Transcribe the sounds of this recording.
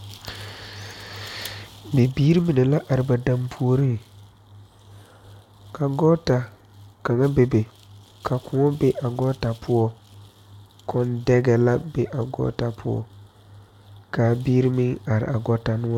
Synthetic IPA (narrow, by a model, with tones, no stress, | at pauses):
be˨biː˦ɾi˦mi˨nɛ˨la˦ʔa˨ɾɪ˨ba˨da˦mpʰu˦o˦ɾi˦ŋ˨ | ka˨ɡɔ˦ta˨ | ka˨ŋa˦be˨be˨ | kʰa˨kʊ˨ŋɔ˦be˦ʔa˨ɡɔ˦ta˨pʰʊ˦ɔ˦ | kʰɔ˦ndɛ˦ɡɛ˨la˦be˦ʔa˨ɡɔ̰˦ta˨pʰʊ˦ɔ̰˦ | kaː˨bi˦ɾi˦mɪ˦n˦a˨ɾɪ̰˨ʔa˨ɡɔ˦ta˨nʊ˦ɔ˦